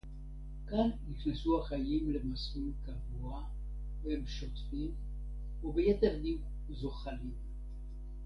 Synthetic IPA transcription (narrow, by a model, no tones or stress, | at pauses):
kanːiχnesuhaχajimle̞masminkavua | veemʃotfim | ubejeteʁdik | zo̞χalim